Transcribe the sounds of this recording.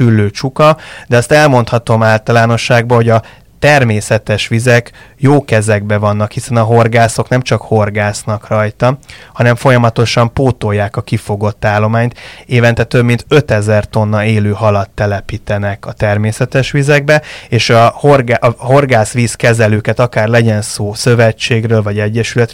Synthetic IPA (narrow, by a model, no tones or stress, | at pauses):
ylːøːt͡ʃukɒd̪ɛɒst̪ɛlmo̞n̪t̪hɒt̪o̞maːlt̪ɒlaːno̞ʃːaːɡbɒho̞ɟɒ | t̪ɛrmeːsɛt̪ɛʃʋizɛkjoːkɛzɛɡbɛvɒnːɒkhisɛnɒɦo̞rɡaːso̞knɛmt͡ʃɒkho̞rɡaːsnɒkrɒjt̪ɒhɒnɛɱfo̞jɒmɒt̪o̞ʃɒmpoːt̪o̞jːaːkɒkifo̞ɡo̞t̪ːaːlːo̞maːɲt̪eːvɛnt̪ɛt̪øbmint̪ø̞t̪ɛzɛrt̪o̞nːɒeːløːɦɒlɒt̪ːɛlɛpiːt̪ɛnɛkɒt̪ɛrmeːsɛt̪ɛʃʋizɛɡ̚bɛeːʃɒhorɡaʔɦo̞rɡaːsʋiːskɛzɛløːkɛt̪ɒkaːrlɛɟɛnsoːsø̞vɛt͡ʃːeːɡrøːlvɒɟɛɟːɛʃylɛt̪